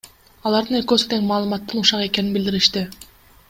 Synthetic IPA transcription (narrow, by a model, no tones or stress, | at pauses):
ɑlˠɑɾd̪ɯneɾkøst̪eŋmɑːlˠɯmɑt̪ːɯnuʃɑʁe̞kʲe̞ninbild̪iɾiʃt̪ɪ